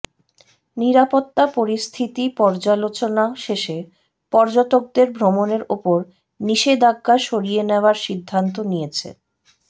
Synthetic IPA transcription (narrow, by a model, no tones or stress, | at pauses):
niɾapot̪ːapoɾist̪ʰit̪ipɔɾd͡ʑalot͡ɕonaʃeʃe | pɔɾd͡ʑot̪ok̚d̪eɾbʱɾomoneɾopoɾ | niʃed̪aɡːaʃoɾieneoaɾʃid̪ʱːant̪̬onijet͡ɕʰḛ